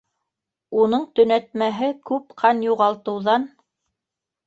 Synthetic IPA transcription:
unɤɴt̪ɵ̆næt̪mæɦɘkʉpqʰɑnjuʁɑlˠt̪ɤ̆wðɑn

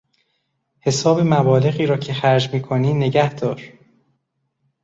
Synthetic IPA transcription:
he̞sɒːbemæbɒːle̞ɣiːɾɒːcʰexæɾd͡ʒmiːkʰoniːne̞ɟæhd̪̥ɒːɾ

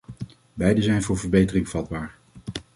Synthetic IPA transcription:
bɛjdəzɛjnvʊːɹvəɹbejtərɪŋv̥ɑd̚baːɹ

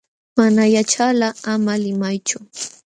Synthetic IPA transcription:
manajat͡ʃalaamalɪmajt͡ʃʊ

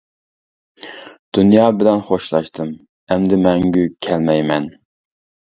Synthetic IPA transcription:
d̪̥unjɑːbɪlɛnχoʃlˠɑʃt̪ʰɨm | ɛmd̪ɪmɛŋɡʲykʲʰɛlmɛjmɛn

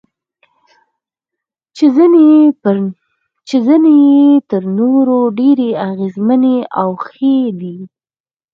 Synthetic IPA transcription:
n | t͡ʃezənejet̪əɾnoɾoɖeɾeaɣezməneawxed̪i

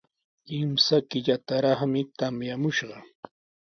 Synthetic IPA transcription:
ɪmsakɪʎat̪aɾɑχmɪt̪amjamʊʃɢɑ

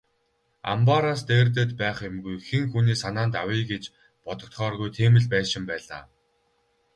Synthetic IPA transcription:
a̰mpaɾaːst̪eːrt̪̬ĕt̪pæːχemɡujxeŋxuniːsanaːnt̪awiːɡet͡ɕ | pɔt̪ɞ̆k̚t̪χɔːrɣujt̪ʰeːmɘ̆ɮpæːʃɪ̆mpæːɮa̰ː

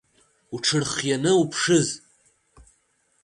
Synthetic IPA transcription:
uʈ͡ʂʰɨrχjanɨupʰʂɨz

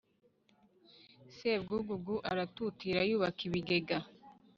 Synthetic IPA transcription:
sebɡuːɡuɡuʔaɾatutiɾajuːβakiβiɡe̞ɡa

